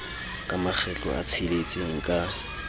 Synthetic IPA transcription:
kʼamak͡xʰɛt͡ɬʼɔ̰a̰t͡sʰilet͡sʼiŋ̩kʼa

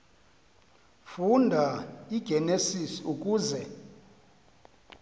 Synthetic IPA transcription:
fundʱaiɡ̥ʱɛnesisiukʼuːzɛ

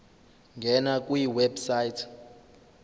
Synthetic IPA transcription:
ŋɡʱɛnakʼwujiwɛbsajitʰ

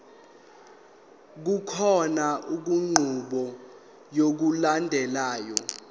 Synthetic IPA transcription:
k̬ukʰɔnaʔuk̬uŋ͡ǃʱuɓɔ | jok̬ulandʱɛlaːjɔ̰

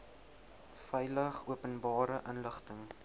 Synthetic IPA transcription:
fɛjləχuəpənbɑːɾəʔənləχtəŋ

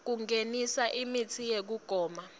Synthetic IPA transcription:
k̬uŋenisaʔimitʰijek̬uɡ̥ʱɔːma

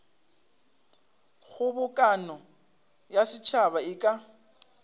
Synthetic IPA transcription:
ɣʊbʊkʼanɔ | jasɪt͡ʃʰaβaɪkʼa

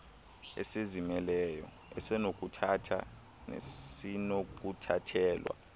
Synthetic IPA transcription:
ɛ̰sezimɛlɛjɔ̰ | ɛsɛnok̬ʼutʰatʰa | nḛinok̬ʼutʰatʰɛːlwa̰

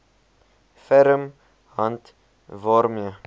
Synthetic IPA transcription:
fəɾəm | hɐnt | vɑːɾmjə

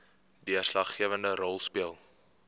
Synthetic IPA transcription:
diərslɐχːiəvəndəɾɔlˠspiəlˠ

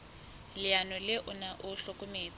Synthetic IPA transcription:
lɪanɔlɪʔʊnaʔʊɬɔkʼʊmeːt͡s

